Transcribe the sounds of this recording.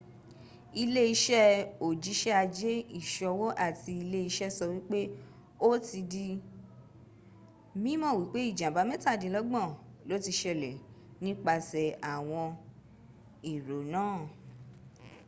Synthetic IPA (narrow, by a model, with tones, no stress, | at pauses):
i˧le˦i˧ʃɛ˦o˨d͡ʒi˨˦ʃɛ˦a˧d͡ʒe˦i˦˨ʃɔ˧wo˦ʔa˦˨ti˧i˧le˦i˧ʃɛ˦sɔ˧wi˦k͡pe˦ | o˦ti˧di˧ | mĩ˦mɔ̃˦˨wi˨˦k͡pe˦i˦˨d͡ʒã˨ba˨˦mɛ̃˦ta˦˨dĩ˨˦lɔ˦ɡ͡bɔ̃˦˨lo˨˦ti˧ʃɛ˨lɛ˨nĩ˦k͡pa˧sɛ˨a˨w̃ɔ̃˧ | i˨ɾo˨nãː˦˨